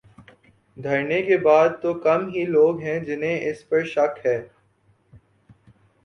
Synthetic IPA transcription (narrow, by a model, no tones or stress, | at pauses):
d̪ʱɐɾnekebaːd̪̚t̪okɐmɦiloːɡɦɛ̃d͡ʒɪnɦẽʔɪspɐɾʃɐkɦɛː